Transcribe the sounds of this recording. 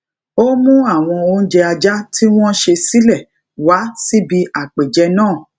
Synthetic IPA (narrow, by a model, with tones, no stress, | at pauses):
o˦mũ˦a˦˨w̃ɔ̃˧o˧ñ̩˦d͡ʒɛ˧a˧d͡ʒa˦tʰi˦w̃ɔ̃˦ʃe˧si˦lɛ˦˨ | wa˨˦si˦bi˧a˨k͡pe˨d͡ʒɛ˧˦nãː˦˨